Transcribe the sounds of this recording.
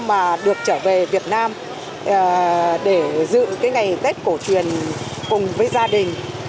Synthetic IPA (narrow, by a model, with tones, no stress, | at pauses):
maː˨˩ɗɨ˨˩ək̚t͡ɕəː˧˩ve˨˩vi˨˩ət̚naː˧mː˨˩ | ɗe˧˩zɨ̰˧˨kaː˨˦jŋa˨˩jt̪e˦˥t̚ko˧˩t͡ɕwi˨ən | kʊ˨˩ŋ͡mvəː˨˦jzaː˧ɗï˨˩ŋ̟